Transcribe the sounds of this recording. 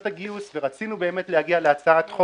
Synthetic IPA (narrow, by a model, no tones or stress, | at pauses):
t̪aɡiusveʁat͡sinube̞eme̞t̪le̞haɡialeat͡saat̪χo